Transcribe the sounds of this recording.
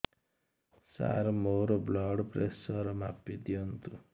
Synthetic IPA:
sa̰ɾmoɾoblɔɽpresʌɾma̰pːid̪ijont̪u

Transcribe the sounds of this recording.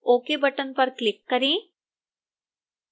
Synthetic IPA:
oːkebɐʈənpɐɾklɪkːɐɾẽː

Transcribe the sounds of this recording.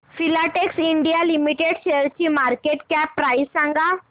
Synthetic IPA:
filaʈeksiɳɖijalimiʈeɽɕeəɾt͡ɕiːmaɾkeʈkjapːɾaisãŋɡa

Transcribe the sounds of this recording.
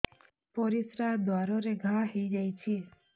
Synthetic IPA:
poɾisɾad̪ʋaɾoɾeɡʱaɦid͡ʒajt͡ʃʰe

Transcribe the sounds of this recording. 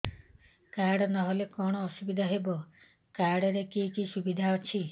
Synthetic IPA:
kaɾɽɔnɔɦolekɔɽ̃ɔːsubid̪ʱaɦebɔ | kaɾɽɔɾekikisubid̪ʱaɔt͡ʃʰi

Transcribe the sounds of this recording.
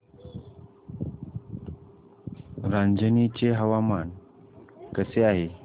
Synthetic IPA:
ɾãɲd͡ʑənit͡ɕeɦəʋaman | kəseaɦe

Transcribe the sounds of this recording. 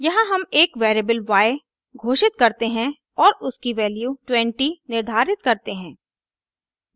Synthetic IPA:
jɐɦãɦɐmeːkʋeːɾebəlʋaːe | ɡʱoːʃɪt̪̚kɐɾt̪eɦɛ̃ | ɔːɾʊskiʋɛːljuʈwɛ̃ɳʈinɪɾd̪ʱaːɾɪt̪̚kɐɾt̪eɦɛ̃ː

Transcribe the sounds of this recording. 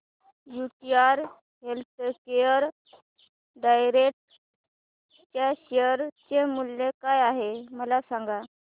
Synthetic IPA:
juʈiaɾ | ɦelt̪əkejəɾ | ɖajɾek̚ʈ | t͡ɕjaɕejəɾt͡ɕemuljekajaɦeməlasãŋɡa

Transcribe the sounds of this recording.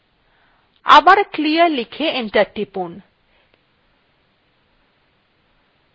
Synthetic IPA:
a̰baɾkliəɾlikʰeenʈaʈipun

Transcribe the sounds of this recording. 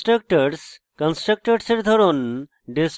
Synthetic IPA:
ʈɾək̚ʈəɾs | kɔnsʈɾək̚ʈəɾseɾd̪ʱɔɾon | ɖis

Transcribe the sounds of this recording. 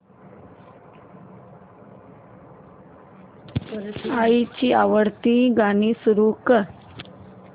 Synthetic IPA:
pəɾsait͡ɕiːaʋəɽt̪iɡanisuɾukə

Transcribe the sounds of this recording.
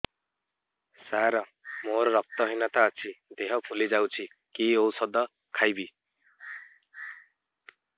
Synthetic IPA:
saɾɔ | moɾɔɾɔp̚t̪ɔɦinat̪aːt͡ʃʰid̪eɦɔpʰulid͡ʒawt͡ʃʰi | kiowsɔd̪ɔ | kʰajbi

